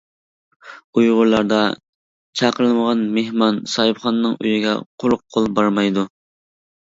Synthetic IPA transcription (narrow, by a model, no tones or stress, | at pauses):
ujʁʊɾlˠɑɾd̪ɑ | t͡ʃʰɑqəɾlˠɨməʁɑnmehmɑnsɑɨpχɑnnːɨŋy̰jiɡʲɛ̰qʰoɾʊq̚ʰːolˠbɑɾmɑjd̪u